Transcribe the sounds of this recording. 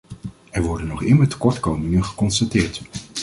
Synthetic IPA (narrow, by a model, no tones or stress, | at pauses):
ɛɹʋɔɹdənɔχɪməɹtə̥kɔɹtkowməŋənχə̥kɔnstatɪːɹt